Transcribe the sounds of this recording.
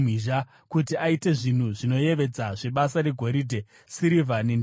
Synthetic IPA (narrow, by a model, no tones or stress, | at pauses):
iʒa | kutiaite̞ʐin̤uʐino̞je̞ʋe̞d͡zaʐe̞ɓasaɾeɡʱo̞ɾidʱe̞ | siɾivanin